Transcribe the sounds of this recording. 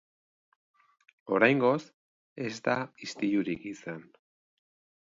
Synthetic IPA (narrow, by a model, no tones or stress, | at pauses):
o̞ɾajŋɡo̞s | e̞zt̪aist̪iʎuɾikisan